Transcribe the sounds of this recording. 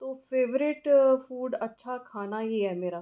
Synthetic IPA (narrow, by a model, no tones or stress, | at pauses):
t̪oːfeːʋɾɪʈfuːɖɐtːʃʰakʰaːnajeːɦɛmeːɾa